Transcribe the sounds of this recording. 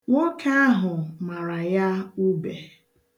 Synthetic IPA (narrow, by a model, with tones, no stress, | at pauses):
ŋo˦kʰa˦a˦ɦʊ˨ma˨ɾa˨ja˦u˦be˨